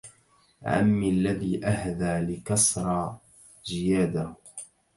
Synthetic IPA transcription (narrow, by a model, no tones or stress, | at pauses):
ʕa̰mːialːaðiːʔahðaːlɪkɑsɾˤɑː | zɪjaːd̪ah